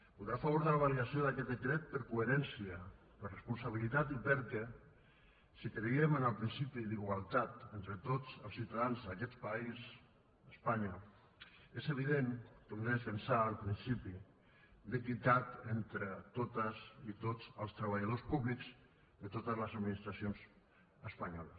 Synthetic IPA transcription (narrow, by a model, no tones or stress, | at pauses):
puðɾafaβuɾðalaβ̞aliasioðakɛt̪̚d̪əkɾɛt̪̚pəɾkueɾɛnsiə | pəɾrəspunsaβ̞ilit̪at̪ipəɾkɛ | sikɾeiəmənəlˠpɾinsipiðiɣwalˠt̪at̪ent̪ɾət̪ot͡səlˠsiwt̪aðanzðakɛt̪pais | əspaɲa | ezəβiðenp̪ulefənsaːlˠpɾinsipi | d̪əkit̪at̪ent̪ɾət̪ot̪əsit̪ot͡səlˠst̪ɾəβaʎəð̞ospuβlikz | ðət̪ot̪əzləzad̪minist̪ɾasions | əspaɲɔlə̰s